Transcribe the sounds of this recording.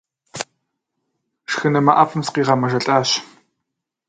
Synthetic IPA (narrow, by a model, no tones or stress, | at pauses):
ʂxɨnɐmɐʔɐpʰɨmsqiːʁɑmɐʒɐɬʼaːɕ